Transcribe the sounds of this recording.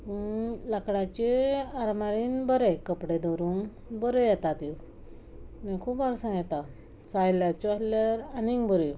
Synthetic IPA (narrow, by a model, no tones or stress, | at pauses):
ulakɽat͡ɕeaɾmaɾiːnbəɾekəpɽed̪ɔɾuːŋ | bəɾejɛt̪at̪i | nekʰuːpaɾsãt̪a | sãjljat͡ɕuasljaɾanĩŋbəɾi